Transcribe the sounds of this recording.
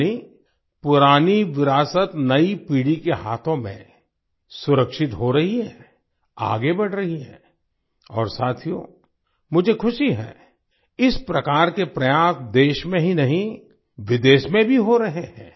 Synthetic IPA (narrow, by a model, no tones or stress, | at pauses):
i | pʊɾaːniʋɪɾaːsət̪nɐipiːɽikeɦaːt̪ʰõmḛ̃ | sʊɾəkʃɪt̪ɦoɾɐɦiɦɛ | a̰ːɡebɐɽ̤ɾɐɦiɦɛ̰̃ | ɔ̰ːɾsaːt̪ʰijo̰ | mʊd͡ʒʱekʰʊʃiɦɛ̰ː | ɪspɾɐkaːɾkepɾɐjaːsd̪eːʃmẽɦinɐɦĩ | ʋɪd̪eːʃmẽbʱiɦoɾɐɦeɦɛ̰̃ː